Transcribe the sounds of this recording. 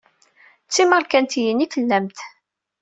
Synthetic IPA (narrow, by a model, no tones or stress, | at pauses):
t͡sːiməɾkænt̪jənikəlːæmt̪